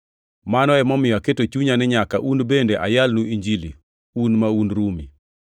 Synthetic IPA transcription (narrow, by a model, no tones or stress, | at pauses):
manɔɛmɔmɪjaketot͡ʃuɲanɪɲakaʔunbendeʔajalnuiɲd͡ʒilḭ | unmaunɾumi